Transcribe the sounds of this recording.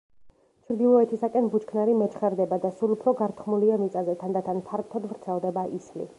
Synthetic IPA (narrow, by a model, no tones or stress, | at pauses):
t͡ʃʰɾd̪ilˠɔɛt̪ʰisakʼɛnbut͡ʃkʰnaɾimɛt͡ʃʰχɛɾd̪ɛbad̪asulˠupʰɾɔɡaɾt̪ʰχmuliamit̪sʼazɛt̪ʰand̪at̪ʰanpʰaɾkt̪ʰɔd̪vɾt̪sʰɛlˠd̪ɛbaʔislḭ